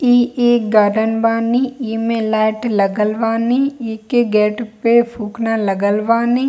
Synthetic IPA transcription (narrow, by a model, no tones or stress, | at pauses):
iːeːkɡaːɖənbaːnĩiːmẽlɛːɪʈləɡəlʋaːniikeɡɛːʈpepʰuːknaləɡəlʋaːnĩː